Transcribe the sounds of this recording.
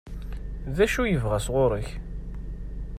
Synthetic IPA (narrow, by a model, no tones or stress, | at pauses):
ðæʃujəvʁæsʁʊɾˤəç